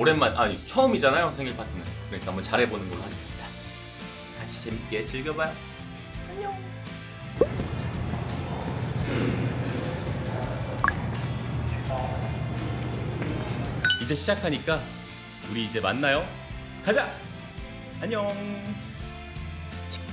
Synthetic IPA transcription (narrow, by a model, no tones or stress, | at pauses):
oɾe̞nmːanʔaɲit͡ɕʰʌɯmid͡ʑanajosʰeŋiɭpak͈inɯnkɯɾɲik͈amʌt͡ɕaɾɦebonɯnɡʌɭːohaɡe̞s͈ɯ̥mɲida | kat͡ɕʰi̥t͡ɕemk͈e̞t͡ɕiɭɡjʌbajo | aɲo | id͡ʑe̞ɕʰid͡ʑakʰaɲik͈a | uɾiːd͡ʑe̞manːajo | kad͡ʑa | aɲo